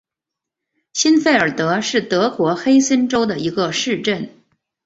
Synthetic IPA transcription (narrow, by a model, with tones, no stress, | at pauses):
ɕi˥nfe˥˩ɪə˞˨˩t̪ɤ˧˥ʂɻ̩˥˩t̪ɤ˧˥kwɔ˧˥xe˥ɪsə˥nʈ͡ʂo˥ʊd̪ə˨i˧˥ɡə˧ʂɻ̩˥˧ʈ͡ʂə˥˩n